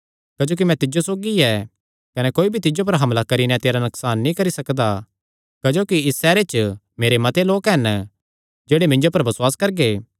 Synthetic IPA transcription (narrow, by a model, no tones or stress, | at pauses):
kɐd͡ʒoːk̬imɛ̃t̪ɪd͡ʒosoːɡiɛ | kɐnɛkoːibʱit̪ɪd͡ʒop̬ɐɾɦɐmlakɐɾinɛ̃t̪eːɾanʊksaːnːĩkɐɾisɐkd̪a | kɐd͡ʒoːkiɪsːɛːɾet͡ʃ | meːɾemɐt̪eloːkɦɛn | d͡ʒeːɽemɪ̃ɲd͡ʒopɐɾbɐswaːskɐɾɡeː